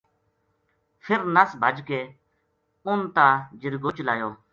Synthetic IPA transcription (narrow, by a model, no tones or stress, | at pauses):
fʰɪɾnəsbʱəd͡ʒkeː | ʊnt̪aːd͡ʒɪɾɡoːt͡ʃlaːjoː